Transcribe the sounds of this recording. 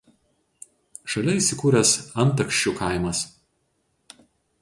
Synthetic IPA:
ʃɐlʲɛiːˑsʲɪkuːɾʲɛsɐnˑt̪ɐkʃʲt͡ʃʲʊkɐˑɪmɐs

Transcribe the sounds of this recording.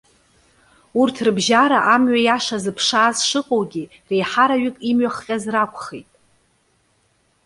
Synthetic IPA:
urtʰrɨbʒaɾaʔamɥajaʂazɨpʰʂaːzʂɨqʼowɡʲi | rejħaɾaɥɪkʼimɥaχqʲʼazrakʷʰʼχejtʼ

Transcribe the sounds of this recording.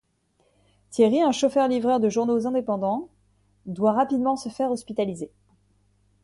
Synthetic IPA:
t̪jeʁiɛ̃ʃofœʁlivʁœʁd̪əʒuʁnozɛ̃d̪epɑ̃d̪ɑ̃ | d̪waʁapid̪mɑ̃səfɛʁɔspit̪alize

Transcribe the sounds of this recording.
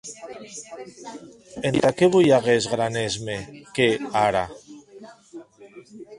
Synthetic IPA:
ent̪akeβujaɣezɣɾanezmekeaɾa

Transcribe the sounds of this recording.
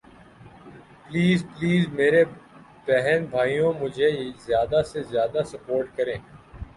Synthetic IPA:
pliːzpliːzmeːɾe | b̥ɛɦɛnbʱaːijõmʊd͡ʒʱezjaːd̪asezjaːd̪asɐpoːɾʈkɐɾẽː

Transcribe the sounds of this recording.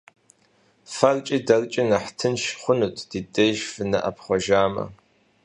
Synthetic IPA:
fɐrt͡ʃʼiːdɐrt͡ʃʼinɐħtʰɨnʃχʷʊnuːtʰd̥iːtʼejʒfɨnɐʔɐpʰχʷɔʒaːmɐ̰

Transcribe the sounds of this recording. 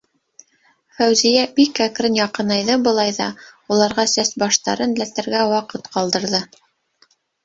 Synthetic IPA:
fæwzijæbikːækɾɘnjɑqɤ̆nɑjðɤbɤ̆lˠɑjðɑ̰ulˠɑɾʁɑsæsbɑʃt̪ɑɾɤnlæt̪æɾɡæwɑqɤt̪qɑlˠd̪ɤ̆ɾðɤ

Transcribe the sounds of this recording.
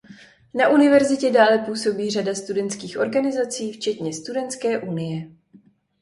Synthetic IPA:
naʔunɪvɛɾzɪcɛdaːlɛpuːso̞biːr̝adast̪udɛnt̪t͡skiːxʔo̞ɾɡanɪzat͡siːft͡ʃɛt̪ɲɛst̪udɛnt̪skɛːʔunɪjɛ

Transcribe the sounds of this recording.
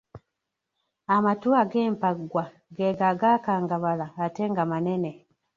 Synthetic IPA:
amatuaɡeːmpaɡwa | ɡeɡaɡakaːŋɡaβalaːteːŋɡamanene

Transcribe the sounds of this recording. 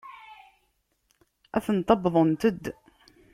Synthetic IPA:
ʔæθənt̪ˤɑbðˤənt̪əd̪ː

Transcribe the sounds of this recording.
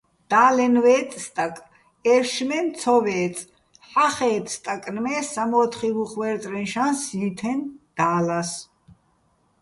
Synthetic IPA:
d̪̥aːlɛnvɛːt̪ʼst̪ʼakʼ | ɛɾʃmɛnt͡sʰɔvɛː | ħaχɛːt̪ʼst̪ʼakʼnmɛːsamɔːt̪ʰχivuχwɛɾt̪ʼɾɛnʃansiːt̪ʰɛnd̪̥aːlas

